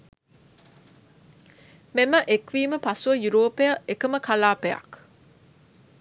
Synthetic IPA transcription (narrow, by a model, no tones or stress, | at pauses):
meməʔekʋiːməpasuʋəjuɾoːpejəʔekəməkalaːpejɐ̰k